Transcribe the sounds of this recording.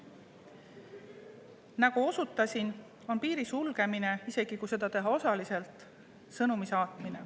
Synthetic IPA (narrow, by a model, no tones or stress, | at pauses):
nɑɡ̥uo̞sut̪ːˑɑsin | o̞npiːɾisulɡ̥e̞mine̞ise̞ɡ̥ikujse̞d̪̥ɑt̪e̞ɦɑo̞sɑlise̞lt̪ˑ | sɤnumisɑːt̪mine̞